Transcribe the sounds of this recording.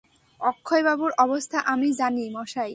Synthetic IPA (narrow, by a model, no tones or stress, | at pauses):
ɔkʰːoebabuɾʔɔbost̪ʰaʔamid͡ʑanimɔʃaj